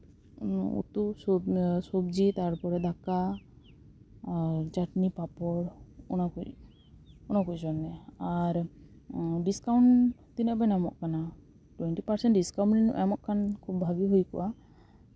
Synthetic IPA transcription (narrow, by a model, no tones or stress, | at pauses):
ṵt̪usɔsɔbd͡ʒit̪aɾpɔɾɛd̪ʱaka | ɾd͡ʒaʈnipapɔɾɔnaku | ɔnakud͡ʒɔnːɛaɾ | ɖiskawɳt̪inɔʔbɛnamɔ̰ʔkana | ʈwɛɳʈipaɾsɛɳʈɖiskaw̃ɳʈinʔamɔʔkʰankʰubbʱaɡiɦojkɔ̰wʔa